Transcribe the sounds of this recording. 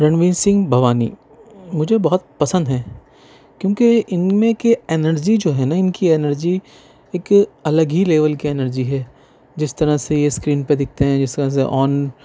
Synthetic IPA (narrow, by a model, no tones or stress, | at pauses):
ɾɐ̃nʋĩːnsɪ̃ŋɡbʱɐʋaːnḭ | mʊd͡ʒʱebɐɦʊt̪̚pɐsə̃nd̪ɦɛ̃ː | kjõːkeɪnmẽkeeːnəɾd͡ʒid͡ʒoːɦɛnaɪnkieːnəɾd͡ʒi | eːkɐləɡileːʋəlkiɛːnəɾd͡ʒiɦɛː | d͡ʒɪst̪ɐɾasejeskɾiːnped̪ɪk̚ʰt̪eɦɛ̃d͡ʒɪst̪ɐɾəsḛʔɔːn